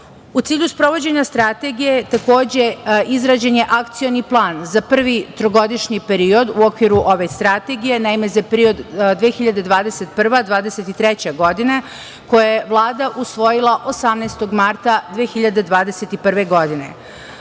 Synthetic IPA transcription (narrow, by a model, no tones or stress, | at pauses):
ut̪siːʎʲuspɾo̞ʋo̞d͡ʑe̞ɲast̪ɾat̪e̞ɡije̞t̪ako̞ːd͡ʑe̞izɾad͡ʑeɲe̞ʔakt̪sijo̞niplˠaːnzapr̩ʋit̪ɾoɡo̞d̪iʃɲipe̞ɾio̞d̪uokʋiɾuʔo̞ʋe̞st̪ɾat̪e̞ɡije̞naime̞zapeɾio̞d̪d̪ʋeːxiʎad̪e̞d̪ʋaːd̪ese̞t̪pr̩ʋad̪ʋaːd̪eset̪it̪ɾet͡ɕeɡo̞d̪ine̞ | ko̞jejeʋlˠaːd̪aʔusʋo̞jilˠaʔo̞samnest̪o̞ɡmaɾt̪ad̪ʋeːxiʎad̪e̞d̪ʋaːd̪eset̪ipr̩ʋe̞ɡo̞d̪ine̞̰